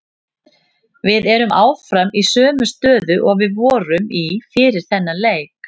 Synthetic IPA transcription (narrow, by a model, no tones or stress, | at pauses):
vɪðɛɾʏmaːwfɾamisœːmʏst̪œːðʏʔɔɣvɪðvɔːɾʏmifɪːɾɪɾ̥θɛnːaleːjk